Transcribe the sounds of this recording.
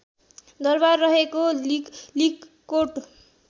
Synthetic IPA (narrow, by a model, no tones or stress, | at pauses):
d̪ʌrbarːʌɦekolik | kːoʈ